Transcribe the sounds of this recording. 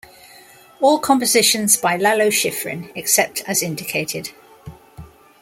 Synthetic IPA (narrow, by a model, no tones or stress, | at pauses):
ɔːlˠkʰɒ̃mpəzɪʃə̃nzbaɪlaləʊʃɪfɹɪ̰̃nɛksɛp̚tʰəzɪ̃ndɪkʰeɪtʰɪd̥